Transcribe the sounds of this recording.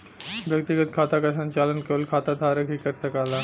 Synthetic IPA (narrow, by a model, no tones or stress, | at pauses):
ʋjək̚t̪iɡət̪̚kʰat̪akasə̃ɲt͡ʃalənkeəlkʰat̪ad̪ʱaɾəkɦiːkəɾsəkala